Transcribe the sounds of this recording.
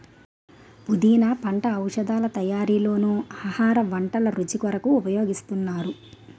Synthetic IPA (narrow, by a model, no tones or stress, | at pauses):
pud̪iːnɐpɐɳʈɐːwʂɐd̪aːlɐt̪ɐjaːɾiːlo̞ːnuɐhaːɾɐʋɐɳʈɐlɐɾut͡ʃikɐɾɐkuːpɐjoːɡist̪unːaːɾu